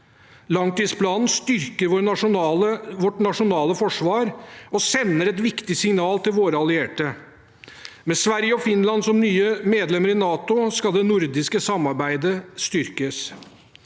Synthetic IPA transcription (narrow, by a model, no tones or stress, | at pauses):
lɑŋt̪iːd̪spʰlɑːnn̩st̪ʏɾkəɾʋoːɾʊəʋɔʈnɑʂʊnɑːləfɔʂʋɑːɾɔsɛnːəɾɛt̪ʋɪkt̪ɪsɪŋnɑːlt̪ɪlʋoːɾəɑlɪeːʈə | mɛsʋæɾjəɔfɪnlɑnsɔmnyːəmeːd̪lɛmːəɾɪnɑːt̪ʊskɑld̪ɛnʊɾd̪ɪskəsɑmːɑɾbæɪd̪əst̪ʏɾkəs